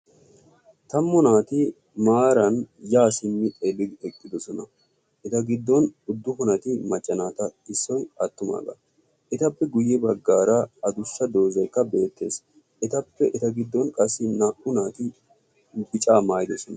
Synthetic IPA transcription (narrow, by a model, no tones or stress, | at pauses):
t̪ɐmːʊnaːt̪ɪ | maːɾɐnjaːsɪmːɪɛbɪɛkʼːɪd̪ɔsɔnɐ | ʔɛt̪ɐɡɪd̪ːɔnʊd̪ːʊhʊnɐt̪ɪmɐt͡ʃʼːɐnaːt̪ɐɪsːɔjɐt̪ːʊma̰ːɡɐ̰ | ʔɛt̪ɐpːɛɡʊjːɛbɐɡːaːɾɐɐd̪ʊʃːɐd̪o̞ːzɐjkːɐbe̞ːt̪ːe̞̰ːs | ʔɛt̪ɐpːɛʔɛt̪ɐɡɪd̪ːɔnkʼɐsːɪnɐʔʊnaːt̪ɪ | bɪt͡ʃʼaːmaːjɪd̪ɔsɔnɐ